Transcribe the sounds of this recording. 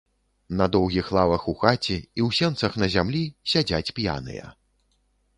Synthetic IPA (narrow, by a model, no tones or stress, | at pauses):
nɐd̪ɔwɣʲixlˠavɐxuxat͡sʲɛiwsʲɛnt̪sɐxnɐzʲamlʲisʲad͡zʲat͡sʲpja̰nɨ̰jɐ̰